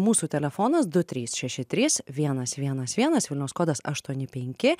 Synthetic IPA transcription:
muːsuːt̪ʲɛlʲɛfoːnɐsd̪ʊt̪ʲɾʲiːsʃʲɛʃʲɪt̪ʲɾʲɪsʋʲiɛnɐsʋʲiɛnɐsʋʲiɛnɐsʋʲɪlʲnʲɛʊskoːd̪ɐsɐ̰ʃt̪uɔnʲɪpʲɛŋʲkʲɪ

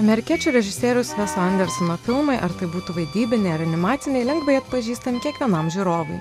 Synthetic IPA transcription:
ɐmʲɛɾʲɪkʲiɛt͡ʃʲuːɾʲɛʒʲɪsʲeːɾʲʊsʋʲɛsɐnd̪ʲɛɾsɔnɐfʲɪlˠmɐɪʔɐɾt̪ɐɪbuːt̪uʋɐɪd̪ʲiːbʲɪnʲɛɪɐɾɐnʲɪmɑːt̪sʲɪnʲɛɪlʲɛŋɡʋɐɪɐt̪pɐʒʲiːst̪ɐmʲɪkʲiɛkʋʲiɛnɐmʒʲiːɾoːʋʊɪ

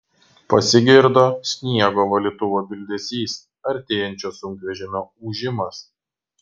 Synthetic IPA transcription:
pɐsʲɪɡʲɪɾd̪oːsʲnʲiɛɡoːʋɐlʲɪt̪ʊʋoːbʲɪlʲd̪ʲɛsʲiːs | ɐɾʲt̪ʲeːjɛnʲt͡ʃʲoːsʊŋʲkʋʲɛʒʲɪmʲoːuʒʲɪmɐs

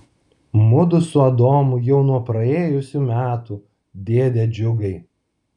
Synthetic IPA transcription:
mʊd̪ʊsʊɐd̪oːmʊjɛʊnuɔpɾɐeːjʊsʲumʲæːt̪u | d̪ʲeːd̪ʲed͡ʒʲʊɡɐɪ

